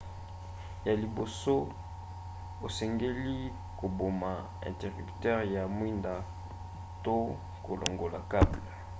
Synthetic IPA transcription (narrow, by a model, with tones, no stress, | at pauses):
ja˨li˨bo˨so˦ | o˨sɛ˨ŋɡe˦li˦ | ko˨bo˨ma˨ | ɛ̰˨te˨ʁi˨ptɛ˦ʁja˨mwi˦nda˨ | to˦ | ko˨lʔo̰˨ŋɡo˨la˨ka˦bla˨